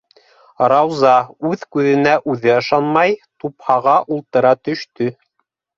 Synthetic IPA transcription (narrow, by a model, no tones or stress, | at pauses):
ɾɑwzɑʉðkʉðɘ̆næʔʉðɘɑʃɑnmɑjt̪uphɑʁɑʔulˠt̪ɤ̆ɾɑt̪ɵ̆ʃt̪ɵ